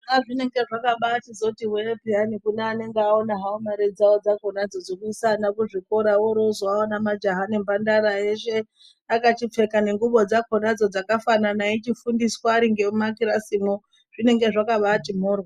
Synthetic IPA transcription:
aʐine̞ŋɡe̞ʐakaɓatizo̞tiweepianikuneane̞ŋɡeaonaɦaomaɾed͡zaod͡zakonad͡zo̞d͡zokuisanakuʐiko̞ɾawoɾozoaonamad͡ʒaɦanembandaɾaeʃe̞ | akat͡ʃip͡fe̞kane̞ŋɡuɓo̞d͡zakonad͡zo̞d͡zakafananait͡ʃifundiswaːɾiŋɡe̞umakiɾasimo | ʐ̥ine̞ŋɡe̞ʐakaɓatim̤oːrwa

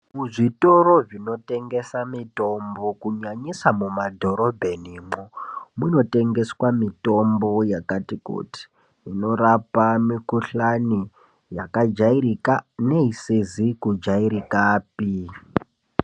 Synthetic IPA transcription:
muʐito̞ɾo̞ʐino̞te̞ŋɡe̞samito̞mbo̞kuɲaɲisamumadʱo̞ɾo̞bʱe̞niːmumuno̞te̞ŋɡe̞swamito̞mbo̞jakatikṵti̥ː | no̞rapamikuɬani | jakad͡ʒaiɾikane̞isizikud͡ʒaiɾikaːpi

